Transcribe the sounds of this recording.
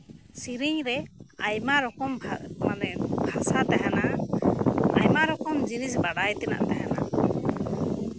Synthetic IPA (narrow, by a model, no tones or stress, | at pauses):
siɾiɲɾɛajmaɾɔkɔmmanɛbʱasat̪ɛɦɛna | a̰jmaɾɔkɔmd͡ʒinisbaɽajt̪ɛna̰ʔt̪ɛɦɛna̰